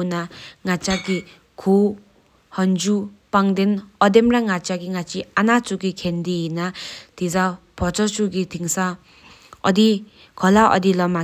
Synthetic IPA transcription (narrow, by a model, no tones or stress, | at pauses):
unaŋat͡ʃaɡi | kʰu | hɔnd͡ʒupaŋdenɔdemɾaŋat͡ʃaɡiŋat͡ʃianat͡ʃuɡikʰendiinat̪ʰizapʰɔt͡ʃɔt͡ʃuɡitʰiŋsa | ɔ̰di | kʰɔlaʔɔ̰dilɔma